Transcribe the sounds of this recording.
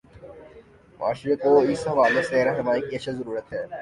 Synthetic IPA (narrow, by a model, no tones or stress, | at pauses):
ma̰ːʃɾekoɪsɦɐʋaːleseɾɐɦnɐʋaːikiəɐʃʰazɐɾuːɾət̪ɦɛː